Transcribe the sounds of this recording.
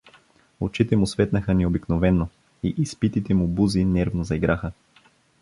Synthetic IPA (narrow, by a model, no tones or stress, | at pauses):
ot͡ʃit̪ɛmʊsvɛt̪nəxənɛobiknovɛnːo | iʔispit̪it̪ɛmubuzinɛɾvnozɐiɡɾʔaxə